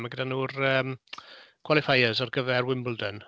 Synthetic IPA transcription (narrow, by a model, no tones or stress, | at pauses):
maɡədanuːrəːm | kʰw̥alˠɪfajəzɔrɡəvɛrwɪmbəlˠdən